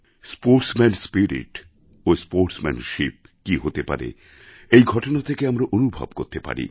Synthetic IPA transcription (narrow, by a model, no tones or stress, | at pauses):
spoɾʈsmenspiɾḭʈ | ospoɾʈsmɛ̰nʃip̚ | kiɦot̪epa̰ɾḛ | ejɡʱɔʈonat̪ʰekeamɾaʔonubʱa̰b̚koɾt̪epa̰ɾḭ